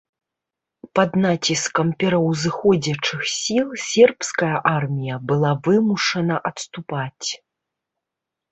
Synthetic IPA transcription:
pɐd̪nat͡sʲiskɐmpʲɛɾɐwzɨxɔd͡zʲɐt͡ʂɨxsʲilˠsʲɛrpskɐjɐʔarmʲijɐbɨlˠavɨmuʂɐnɐʔɐt̪st̪upat͡sʲ

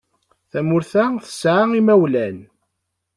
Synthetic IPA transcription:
θæmʊɾθæθə̥sʕaimæwlæn

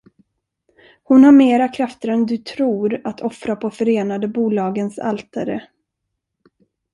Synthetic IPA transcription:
hʊnhaɾmeːɾakʰɾaft̪əɾɛnd̪ɵt̪ʰɾuːɾat̪ʰɔfɾapʰɔfœɾeːnad̪əbuːlɑːɡənsa̰lt̪ʰaɾə

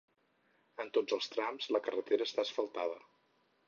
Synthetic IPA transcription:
ənt̪od͡zəlˠst̪ɾamzləkərət̪eɾəːst̪aəsfəlˠt̪að̞ə

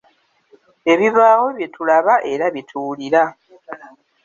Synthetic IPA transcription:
e̞βiβaːɣo̞βje̞tulaβaʔe̞ɾaβjitʰuːliɾa

